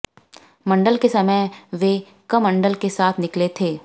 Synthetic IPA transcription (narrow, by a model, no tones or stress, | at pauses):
mɐ̃ɳɖəlkesɐməjʋe | kɐmɐ̃ɳɖəlkesaːt̪ʰnɪklet̪ʰeː